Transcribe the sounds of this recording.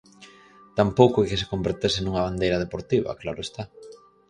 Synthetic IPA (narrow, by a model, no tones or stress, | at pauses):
t̪ampowkʊɛkɪsekombeɾt̪esenũŋɐβ̞and̪ejɾɐð̞epoɾt̪iβ̞ɐ̰klaɾʊest̪a